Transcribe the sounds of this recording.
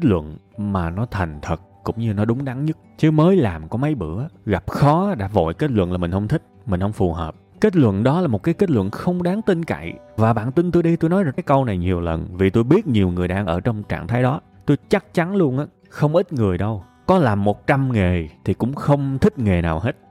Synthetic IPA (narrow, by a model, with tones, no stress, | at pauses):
ke˦˥t̚lwə̰˧˨n | maː˨˩nɔ˨˦t̪ʰɛ˨˩jŋ̟t̪ʰə˨˩t̚kʊ̰˧˥ŋ͡mɲɨ˧nɔ˨˦ɗʊ˨˦ŋ͡mɗa˨˦ŋɲɨ˦˥t̚t͡ɕɨ˨˦məː˨˦jlaː˨˩mkɔ˨˦ma˨˦jɓɨ̰˧˩əɣa˨˩p̚xɔ˨˦ɗa̰ː˧˥vo̰˧˨jke˦˥t̚lwə̰˧˨nlaː˨˩mï˨˩ŋ̟hə˧wŋ͡mt̪ʰï˦˥k̟̚mï̟˨˩hə˧wŋ͡mfu˨˩ɦəː˨˩p̚ | ke˦˥t̚lwə̰˧˨nɗɔ˨˦laː˨˩mo˨˩t̚kaː˨˦jke˦˥t̚lwə̰˧˨nxə˧wŋ͡mɗaː˨˦ŋt̪i˧ŋka̰˧˨jvaː˨˩ɓa̰ː˧˨nt̪i˧nt̪o˧jɗi˧t̪o˧jnɔ˨˦jzaː˨˩aː˨˦kə˧wna˨˩jɲi˨˩əwlə̰˨˩nvi˨˩t̪o˧jɓi˦˥ət̚ɲi˨˩əwŋɨ˨˩əjɗaː˧˩ŋʔəː˧˩t͡ɕwŋ͡mt͡ɕa̰ː˧˨ŋt̪ʰaː˨˦jɗɔ˨˦ | t̪o˧jt͡ɕa˦˥k̚t͡ɕa˨˦nlu˧ənʔaː˨˦ | xə˧wŋ͡mʔï˦˥t̚ŋɨ˨˩əjɗə˧w | kɔ˨˦laː˨˩mːo˨˩t̚t͡ɕa˧mŋe˨˩t̪ʰi˨˩kʊ̰˧˥ŋ͡mxə˧wŋ͡mt̪ʰï˦˥k̟̚ŋe˨˩naː˨˩whe˦˥t̚